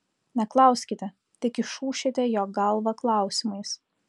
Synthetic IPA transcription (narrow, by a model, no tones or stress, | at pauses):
nʲɛklˠɐˑʊsʲkʲɪt̪ʲɛ | t̪ʲɪkɪʃuːʃʲɪt̪ʲɛjoːɡɐlˠʋɐklˠɑˑʊsʲɪmɐɪs